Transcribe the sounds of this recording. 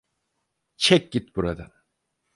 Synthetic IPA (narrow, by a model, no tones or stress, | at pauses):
t͡ʃʰɛk̚ʲɟit̪̚buɾad̪a